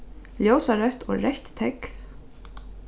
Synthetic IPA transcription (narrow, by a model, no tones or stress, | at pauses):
ljoːwsaɾœht̪ɔ̰ɾɛht̪t̪ʰɛk